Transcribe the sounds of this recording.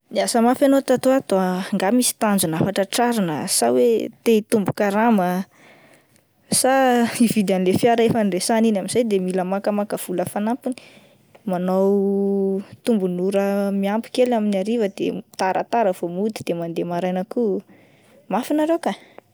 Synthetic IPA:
iasəmafanot̪at̪oat̪oaŋɡamisi̥t̪and͡zunafaʈ͡ʂəʈ͡ʂaɾanə̰sawet̪eit̪umbukaɾamə | saivid̪anilefjaɾəefənresaninaminz̥ajd̪emiləmakəmakəv̥uləfanampini̥ | manow | t̪umbunuɾəmiampi̥kelaminaɾivəd̪ḛt̪aɾʔə̰t̪aɾəvomud̪id̪̥emand̪emaɾajnəku | mafinaɾewka

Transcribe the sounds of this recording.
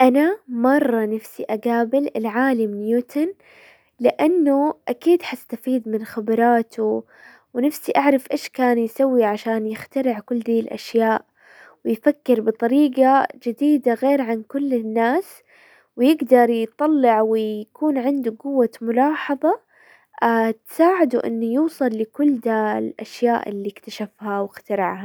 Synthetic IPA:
ʔanamɑrˤːɑnafsiʔaɡaːbɪlɪlʕaːlɪmɪnjuːt̪ʰan | lɪʔanːʊʔakiːd̪ħast̪afiːd̪mɪnxabɾˤɑːt̪ʰʊ | wnafsiʔaʕɾˤɑfʔeːʃkaːnjsawːiʕaʃaːnjɪxt̪aɾɪʕkʊlːd̪iːlʔa̰ʃjaːʔ | wɪjfakːɪɾbɨt̪ˤɑɾiːɡad͡ʒɪd̪iːd̪aɣeːɾʕankʊlːɪnːaːs | wɪjɪɡd̪ɑɾˤjt̪ˤɑlːɪʕwɪjkuːnʕɪnd̪uɡʊwːamʊlɑːħɑðˤɑ | at̪saːʕɪd̪uʔɪ̰nːujuːsˤɑlːɪkʊlːd̪alʔa̰ʃjaːʔɪ̰lːiɪkt̪aʃafhawɪxt̪ɑɾˤɪʕha

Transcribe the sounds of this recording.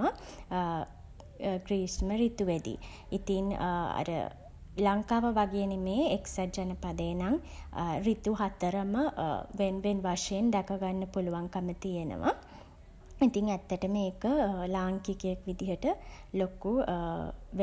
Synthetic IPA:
a | ɡɾiːsməɾit̪uʋæd̪ḭ | it̪ina̰ɾə̰ | laŋkaːʋəʋaɡeːnemeːeksad͡ʒanəpad̪əjnaŋrit̪uɦat̪əɾəməʋenʋenʋaʂɐjend̪akaɡanːəpuluʋaŋkamət̪ijenə̰ʋa̰ | it̪iŋæt̪ːəʈəmeːkəlaːŋkikəjəkʋid̪iɦəʈəloku | ʋ

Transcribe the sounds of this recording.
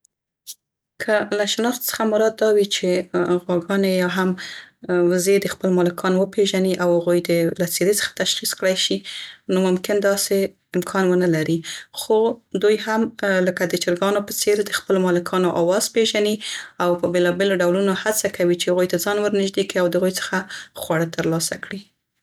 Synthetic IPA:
kʰəlaʃnɑxt̪sə̥xamʊɾɑd̪̚ːɑwit͡ʃeɣwaɡɑnejɑɦam | wzed̪əxpəlmɑlɪkʰɑnwəpeʒaniʔawhaɣujd̪əlat͡seɾet͡sə̥xḁt̪aʃxiskɽajʃinomʊmkɪnd̪ɑse | ɪmkʰɑnwənalaɾixod̪ujɦamləkad̪ət͡ʃɪɾɡɑnopət͡seɾd̪əxpəlomɑlɪkʰɑnoʔawɑz̥peʒaniawpəbelɑbeloɖawlunohat͡sakawit͡ʃehaɣujt̪azɑnwəɾnɪʒd̪ekɽiawd̪əaɣujt͡sə̥xaxwaɽat̪əɾlɑsakɽi

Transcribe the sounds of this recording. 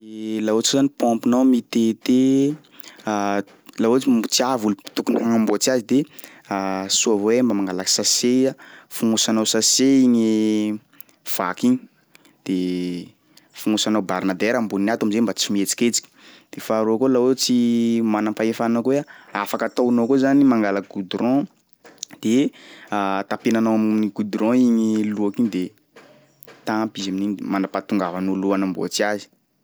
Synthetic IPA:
elaot͡skuzanipɔ̃mpinawmit̪et̪e | laot͡sit͡siavulpi̥t̪ukunifaŋamboat͡siazid̪e | asuavoembamaŋɡalaksaseafuŋusanawsaseiɲi | v̥a̰kiɲi | d̪̥e | fuŋusanawbaɾnad̪ɛɾambuinat̪wamizembat͡simet͡si̥kʲet͡si̥kʲi̥d̪̥efaɾoakolawet͡simanamfaefanakueaafakat̪awnokozanimaŋɡalaɡ̥ud̪ɾɔ̃ | d̪̥e | t̪apenanawamniɡud̪ɾɔ̃iɲiluakiɲid̪e | t̪ãmpizamininmanapat̪uŋɡavanuluanambo̰at͡siazi̥

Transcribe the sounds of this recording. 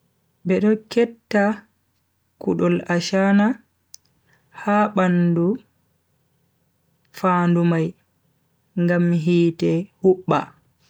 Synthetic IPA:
bɛɗɔkɛtːa | kṵɗɔlaʃana | haɓandu | faːndumaj | ŋɡamɦiːtɛhuɓːa̰

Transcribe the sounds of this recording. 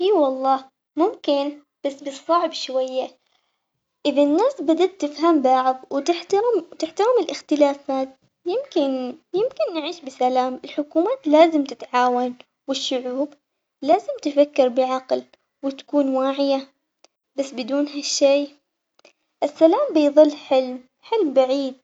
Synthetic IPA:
iːwɑlˤːɑː | mʊmkɪn | b̥asːbɨsˤːɑʕbʃwajːa | ʔɪðanːaːsbad̪at̪ːɪfɦambaʕðˤwɪt̪ɪħt̪ɑɾɪmt̪ɪħt̪ɑɾˤɪmɪlʔɪxt̪ɪlaːfaːt̪̚ | jɪmkɪnjɪmkɪnːɪʕiːʃbɪsalaːmɪlħʊkuːmaːt̪laːzɪmt̪ɪt̪ʕaːwan | wɪʃːʊʕuːb | laːzɪmt̪ɪfakːɪɾbɪʕɑql | wɪt̪ḁkuːnwaːʕɪja | basːbɪd̪uːnɦaʃːeː | ʔɪsːalaːmbɪjðˤɨlːħɪlm | ħɪlmbaʕiːd̪̚

